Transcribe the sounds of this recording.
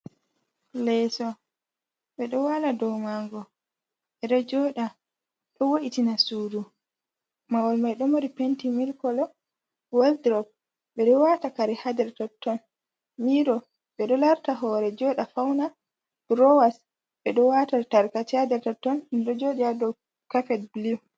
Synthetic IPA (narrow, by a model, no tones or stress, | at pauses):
lɛsɔ | ɓɛɗɔwaladɔwmaŋɡɔ | ɓɛɗɔd͡ʒɔɗa | ɗɔwoʔitinasudu | mawɔlmajɗɔmoɾipentimilkɔlɔ | waldɾɔp̚ | ɓɛɗɔwatakaɾɛhadɛɾtɔtːɔn | miɾɔ | ɓɛɗɔlaɾtaɦɔɾɛd͡ʒɔɗafawna | b̥ɾɔwas | ɓɛɗɔwatataɾkatihadɛɾtɔtːɔnnɗɔd͡ʒoɗiadɔ | kafɛdbliw